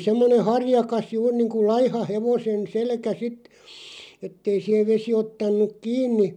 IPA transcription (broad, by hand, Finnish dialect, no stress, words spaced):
semːone hɑrjɑkɑs juːr niːŋku lɑihɑ heʋosen selkæ sit etːei sih̆eʋ ʋesi otːɑnˑuk kiːnˑi